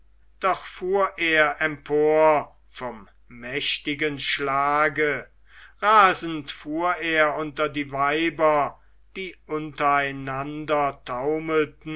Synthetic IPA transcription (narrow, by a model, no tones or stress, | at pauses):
d̥ɔχfuːɐʔeːɐʔɛmpʰoːɐ | fɔmː | ɛʃtɪɡənʃlaːɡə | ʁaːzn̩tfuːɐeːɐʊntɐdiːvaɪbɐ | d̥iːʔʊntɐaɪnandɐtʰaʊməltn̩